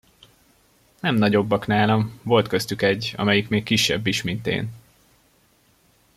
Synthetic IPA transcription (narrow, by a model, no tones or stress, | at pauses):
nɛmnɒɟo̞bːɒknaːlɒmvo̞lt̪kø̞st̪ykɛɟːɒ̰mɛjikmeːkːiʃːɛ̰bːiʃmint̪ḛːn